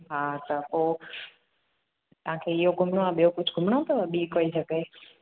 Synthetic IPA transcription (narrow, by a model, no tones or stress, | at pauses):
ɦat̪əko | t̪ə̤ãkʰeɪɦoɡʱʊmɳoaɓijokʊd͡ʒʱɡʱʊmɳ̃ot̪əʋaɓiːkoːisəkeː